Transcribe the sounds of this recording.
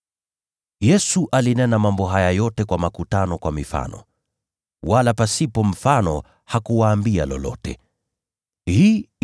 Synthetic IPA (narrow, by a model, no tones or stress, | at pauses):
jɛsuʔalinɛnamambɔɦajajɔtɛkwamakutanɔkwamifa̰nɔ̰ | walapasipɔm̩fanɔ | hakuwaːmbia̰lɔ̰lɔ̰tɛ | hiː